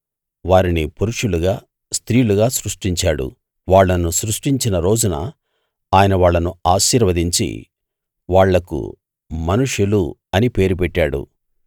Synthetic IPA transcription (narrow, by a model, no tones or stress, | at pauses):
ʋaːɾinipuɾuʂuluɡaː | st̪ɾiːjuluɡaːsɾuʂʈiɲt͡ʃaːɽṵ | ʋaːɭːɐnusɾuʂʈiɲt͡ʃinɐɾo̞ːd͡ʒunɐ̰ | aːjɐnɐʋaːɭːɐnuaːʃiːɾʋɐd̪iɲt͡ʃḭ | ʋaːɭːɐkṵ | mɐnuʂjuluɐnipe̞ːɾupɛʈːaːɽṵ